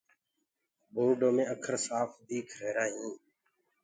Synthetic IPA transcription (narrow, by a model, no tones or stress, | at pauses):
boːɾɖõːmẽːəkʰəɾsaːfd̪iːkʰɾeːɾaːɦĩː